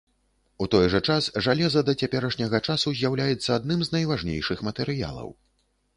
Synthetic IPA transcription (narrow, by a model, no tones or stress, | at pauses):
ut̪ɔjʐɐt͡ʂasʐalʲɛzɐd̪ɐt͡sʲapʲɛɾɐʂnʲɐɣɐt͡ʂasuzʲjawlʲajɛt̪sːɐad̪nɨmznɐjvaʐnʲḛjʂɨxmɐt̪ɛɾɨja̰lˠɐ̰w